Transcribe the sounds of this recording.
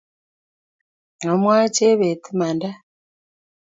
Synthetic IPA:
ŋa˨mwaː˦t͡ʃe˦βe˨tʰi˦ma˨nda˦

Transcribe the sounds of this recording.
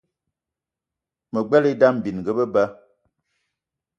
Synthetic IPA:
mə˨ɡ͡bɛ˦li˦da˦m̩˨bi˨n˨ɡə˦bə˦bə˦

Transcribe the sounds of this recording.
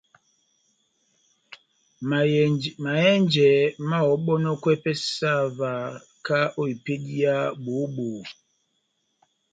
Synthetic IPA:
ma˨ɛ˦nd͡ʒɛ˨ma˦ɔ˨˦ɓɔ˦nɔ˦kwɛ˦pɛ˦sa˦˨va˨ | ka˦ʔo˦i˨pe˦di˦a˦ɓo˨˦ɓo˨

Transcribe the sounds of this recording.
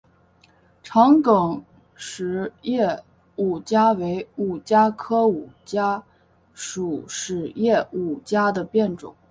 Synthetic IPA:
ʈ͡ʂʰɑ˧˥ŋkɤ˨˩ŋ | ʂɻ̩˧˥jɛ˥˩ | u˨˩t͡ɕja˥we˧˥ɪu˨˩t͡ɕja˥kʰɤ˥u˨˩t͡ɕja˥ | ʂu˨˩ʂɻ̩˨˩jɛ˥˩u˨˩t͡ɕja˥d̪ə˨pjɛ˥˩nʈ͡ʂʊ̰˨˩˦ŋ

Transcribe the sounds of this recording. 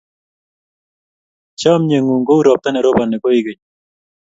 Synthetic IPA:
t͡ʃa˦mɲe˨ŋu˨ŋɡo˦u˦ɾɔ˨p̚t̪a˦nɛ˨ɾo˦ba˨nɪ˨ko˦i˦ɡe˨ɲ

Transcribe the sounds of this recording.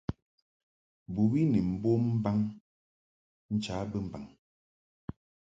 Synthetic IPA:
bu˨wi˦ni˨m̩˨bo˦m̩˦ba˦ŋ | n̩˦t͡ʃaː˨˦bə˦m̩˨ba˨ŋ

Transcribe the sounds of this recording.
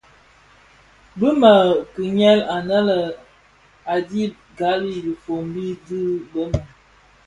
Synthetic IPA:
bə˦mə˨ki˨ɲɛ˦la˨nə˦lə˨ | a˨di˦ | ɡa˨˦li˦˨li˨fo˨m˦bi˦dɨ˦bə˦ma˨

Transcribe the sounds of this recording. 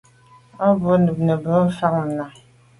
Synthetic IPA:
ɔ˦bo˦nə˨pnə˨bə˦fa˦k̚m̩˨na˨

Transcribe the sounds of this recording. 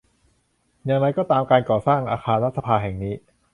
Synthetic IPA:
ja˧ŋɾa˧jkɔː˥˩t̪aː˧mkaː˧nkɔː˨˩saː˥˩ŋʔaː˧xʰaː˧nɾa˦˥t̪̚sʰa˧pʰaː˧ɦɛ˨˩ŋniː˦˥

